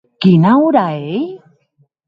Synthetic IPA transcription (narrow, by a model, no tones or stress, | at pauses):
kinawdae